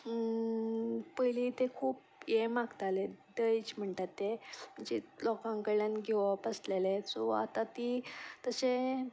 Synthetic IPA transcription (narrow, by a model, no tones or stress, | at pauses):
pəjlit̪ekʰuːp | jemaɡt̪aled̪əjt͡ɕm̤əɳt̪at̪ːeməd͡ʑilɔkãŋkəɭanɡʱeʋapəslelet͡sɔa̰t̪at̪it̪əse